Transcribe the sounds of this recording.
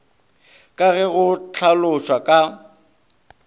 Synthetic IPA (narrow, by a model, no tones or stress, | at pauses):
kʼaɣɛɣʊt͡ɬʰalʊʃwakʼa